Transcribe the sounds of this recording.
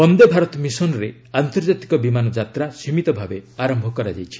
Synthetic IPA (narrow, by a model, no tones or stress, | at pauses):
ɔnd̪ebʱaɾɔt̪ɔmisɔnɔɾe | ant̪ɔɾd͡ʒat̪i̥kɔbimanɔd͡ʒat̪ɾasimit̪ɔbʱabeaɾɔmbʱɔkɔɾad͡ʒa̰jt͡ʃʰi̥